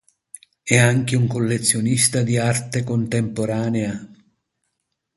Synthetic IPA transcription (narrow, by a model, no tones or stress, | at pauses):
ɛaŋk̟euŋkolːet̪sːjonist̪ad̪iart̪ekont̪empoɾaːnea